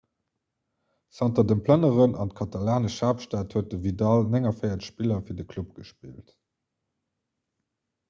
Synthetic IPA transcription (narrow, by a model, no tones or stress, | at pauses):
sɑntɐdənpʰlənəʁənɑnt̚kʰɑtɑlaːnəʃaːpʃtaːtʰhuət̚dəvidɑlnɛŋɐfɜɪɐtʃpilɐfiːɐdəkʰlupɡ̥əʃpiːlt